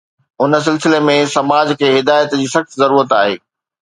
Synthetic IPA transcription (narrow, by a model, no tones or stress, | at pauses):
ʊns̬ɪlsɪlemẽsɐmaːd͡ʑkʰeːɦɪd̪aːjət̪d͡ʑiːsɐxt̪zɐɾuːɾət̪aːɦeː